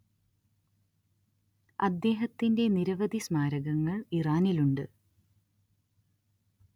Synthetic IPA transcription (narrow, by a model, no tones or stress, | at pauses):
ɐ̰d̪ːe̞ːɦɐt̪ːinde̞niɾɐʋɐd̪ʱismaːɾɐɣɐŋːɐɭiraːniluɳɖɨ